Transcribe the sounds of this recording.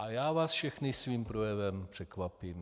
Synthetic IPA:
ʔajaːvaːsfʃɛxnɪsviːmpɾojɛvɛmpr̝̥ɛkvapiːm

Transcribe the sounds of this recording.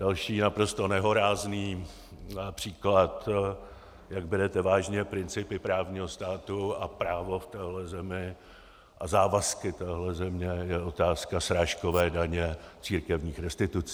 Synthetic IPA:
d̥alʃiːnapɾo̞st̪o̞nɛɦo̞ɾaːzniː | pr̝̥iːklat̪ | jaɡbɛɾɛt̪ɛvaːʒɲɛpɾɪnt͡sɪpɪpɾaːvɲiːɦost̪aːt̪uapɾaːvo̞ft̪ɛːɦlɛzɛmɪ | ʔazaːvaskɪt̪ɛːɦlɛzɛmɲɛjɛʔo̞t̪aːskasɾaːʃko̞vɛːdaɲɛt͡siːɾkɛvɲiːxɾɛst̪ɪt̪ut͡si

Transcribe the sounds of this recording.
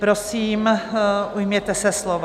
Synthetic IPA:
pɾosiːm | ujmɲɛt̪ɛsɛslov

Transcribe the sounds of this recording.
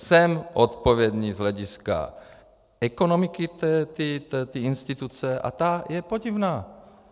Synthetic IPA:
sɛmʔot̪po̞vjɛd̪ɲiːzɦlɛɟɪska̰ | ɛkonomɪkɪt̪ɛt̪it̪ɛt̪iinst̪it̪ut͡sɛʔa̰t̪ajɛpoɟivnaː

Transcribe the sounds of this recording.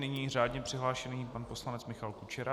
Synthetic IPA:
nɪɲiːr̝aːdɲɛpr̥ɪɦlaːʃɛniːpanpo̞slanɛt͡smɪxalkut͡ʃɛɾa

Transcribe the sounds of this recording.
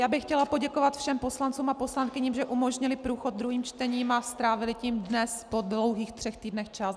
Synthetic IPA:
jaːbɪxcɛlapo̞ɟɛkovat̪fʃɛmpo̞slant͡suːmapo̞slankɪɲiːmʒɛʔumoʒɲɪlɪpɾuːxod̪̚d̪ɾuɦiːmt͡ʃt̪ɛɲiːmast̪ɾaːvɪlɪciːmdnɛspodlowɦiːxt̪r̥ɛxt̪iːdnɛxt͡ʃas

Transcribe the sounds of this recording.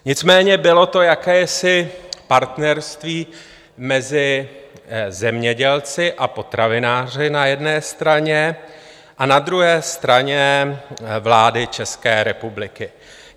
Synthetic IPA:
ɲɪt͡smɛːɲɛbɪlo̞t̪o̞jakɛːɛsɪpaɾt̪nɛɾst̪viː | mɛzɪ | zɛmɲɛɟɛlt͡sɪʔapo̞t̪ɾavɪnaːr̝ɪnajɛdnɛːst̪ɾaɲɛ | ʔanad̪ɾuɦɛːst̪ɾaɲɛ | vlaːdɪt͡ʃɛskɛːɾɛpublɪkɪ

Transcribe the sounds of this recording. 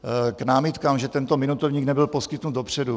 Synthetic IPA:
knaːmɪt̪kaːmʒɛt̪ɛnt̪omɪnut̪ovɲiːɡnɛbɪlposkɪt̪nud̪dopr̝̥ɛdu

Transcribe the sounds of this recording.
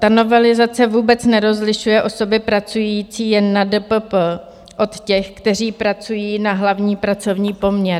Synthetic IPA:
t̪ano̞vɛlɪzat͡sɛvuːbɛt͡snɛɾo̞zlɪʃujɛʔo̞so̞bɪpɾat͡sujiːt͡siːjɛnːadəpəp | ʔo̞t̪cɛxkt̪ɛr̝iːpɾat͡sujiːnaɦlavɲiːpɾat͡so̞vɲiːpo̞mɲɛɾ

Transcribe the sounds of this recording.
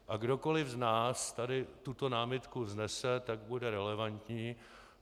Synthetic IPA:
ʔaɡdo̞ko̞lɪvznaːst̪adɪt̪ut̪o̞naːmɪt̪kuznɛsɛt̪aɡ̚budɛɾɛlɛvant̪ɲiː

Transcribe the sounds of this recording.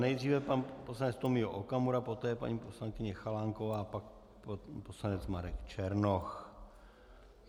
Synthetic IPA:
nɛjd̪riːvɛpanposlanɛt͡st̪omɪɦoʔokamuɾapo̞t̪ɛːjɛpa̰ɲiːposlaŋkɪɲɛxalaŋkovaːpak̚ | pposlanɛt͡smaɾɛkt͡ʃɛɾnox

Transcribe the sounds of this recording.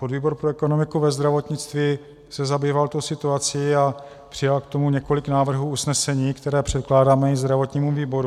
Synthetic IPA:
pod̪viːbo̞ɾpɾoɛko̞no̞mɪkuvɛzd̪ɾavo̞t̪ɲɪt͡st̪viː | sɛzabiːvalt̪owsɪt̪uat͡sɪja | pr̥ɪjalkt̪o̞muɲɛko̞lɪknaːvr̩ɦuːusnɛsɛɲiːkt̪ɛɾɛːpr̥ɛt̪̚klaːdaːmɛɪzd̪ɾavo̞t̪ɲiːmumviːbo̞ɾu

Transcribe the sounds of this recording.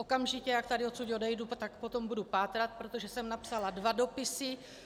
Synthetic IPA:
okamʒɪcɛjak̚t̪adɪosuɟodɛjdut̪akpo̞t̪o̞mbudupaːt̪ɾat̪̚pɾot̪oʒɛsɛmnapsaladvado̞pɪsɪ

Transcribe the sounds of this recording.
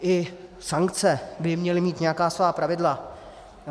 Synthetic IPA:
ʔɪsaŋkt͡sɛbɪmɲɛlɪmiːt̪ɲɛjakaːsvaːpɾavɪdla

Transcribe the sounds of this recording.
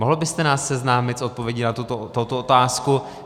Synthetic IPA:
moɦl̩bɪst̪ɛnaːsːɛznaːmɪt̪so̞t̪̚povjɛɟɪnat̪ut̪ot̪owt̪oʔot̪aːsku

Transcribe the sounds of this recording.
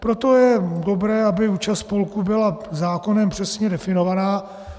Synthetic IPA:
pɾot̪o̞jɛdobɾɛːabɪuːt͡ʃast̪polkubɪlazaːko̞nɛmpr̥ɛsɲɛdɛfɪnovanaː

